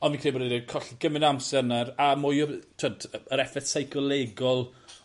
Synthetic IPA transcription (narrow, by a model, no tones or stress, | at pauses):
ɔnvinkʰriːbɔdedəkʰɔɬiɡ̥əmɪnamsɛrnaɾamʊjɔtʰodəɾɛfɛθsajkɔlˠeɡɔlˠ